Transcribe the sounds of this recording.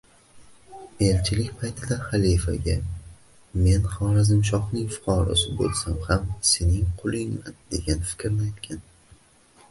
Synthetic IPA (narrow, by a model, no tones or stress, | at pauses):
e̞lt͡ʃʰɪlɪkʲpʰajt̪ʰɪd̪aχalijfa̰ɡʲa | me̞nχɒɾazɪmʃ̬ɒχnɪŋfʊ̥qʰɒɾɒ̰sɪbo̰lˠsamhamse̞nɪŋqʰʊlˠɪŋmand̪e̞ɡʲanfɪ̥kʲʰɾnɪajt̪kʲʰan